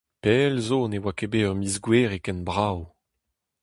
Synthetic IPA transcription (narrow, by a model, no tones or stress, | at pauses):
peːlzonewakebeœʁmizɡweːʁekɛnbʁaw